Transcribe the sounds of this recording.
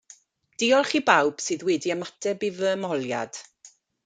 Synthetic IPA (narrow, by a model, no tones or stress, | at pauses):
d̥iɔlˠχibawb̥sɨːðwɛːdiəmatʰɛbivəːmɔlˠja̰d̥